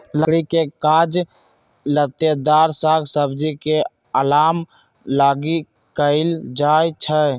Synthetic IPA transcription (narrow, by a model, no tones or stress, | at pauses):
ləɽikekad͡ʒ | lət̪ed̪aɾsaɡsəbd͡ʒike | əlaːm | laːɡi | kəɪld͡ʒajt͡ʃʰə